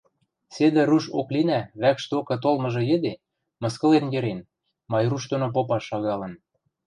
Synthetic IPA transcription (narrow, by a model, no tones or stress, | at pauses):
sed̪ɘ̆ɾuʃo̰klinæβækʃt̪eokɤ̆t̪̬olmɤ̆ʒɤ̆jĕd̪e | mɤ̆skɤ̆lenjĕɾen | mɑjruʃt̪onop̬opɑʃːɑɣɑlɤ̆ə̆n